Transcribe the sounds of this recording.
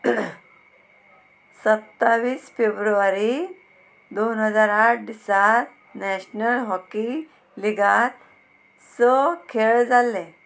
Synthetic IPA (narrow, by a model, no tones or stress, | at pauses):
sət̪ːaʋiːsfebɾuʋaɾi | d̪onɦəd͡zaɾaʈ̚ɖisaɾ | nɛɕnəlɦɔki | liɡat̪̚ | sɔkʰeɭd͡zalːẽ